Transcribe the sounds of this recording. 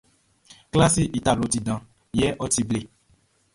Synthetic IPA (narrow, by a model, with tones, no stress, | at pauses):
kla˦si˦ʔi˨ta˨lo˨ti˨dã˨ | jɛ˦ʔɔ˦ti˦ble˨